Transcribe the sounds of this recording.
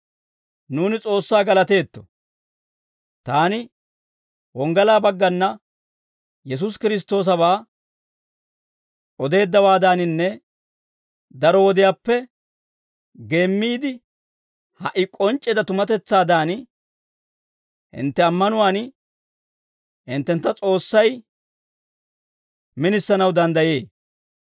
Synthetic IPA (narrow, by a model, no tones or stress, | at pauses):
nuːnɪt͡sʼo̞ːsːaːɡɐlɐt̪e̞ːt̪ːɔ̥ | t̪aːnɪ | wɔŋɡɐlaːbɐɡːɐnːɐ | jɛs̬ʊs̬kɪɾɪs̬t̪ːo̞ːs̬ɐbaː | ʔɔd̪e̞ːd̪ːɐwaːd̪aːnɪnːɛ | d̪ɐɾɔwɔd̪ɪjaːpːɛ | ɡe̞ːmːiːd̪ɪ | hɐʔɪkʼɔnt͡ʃʼːɛd̪ɐt̪ʊmɐt̪ɛt͡sːaːd̪aːn | hɪ̰nt̪ːɛɐmːɐnʊwaːn | hɪnt̪ːɛnt̪ːɐt͡sʼo̞ːsːɐj | mɪnɪsːɐnɐwd̪ɐnd̪ɐjeː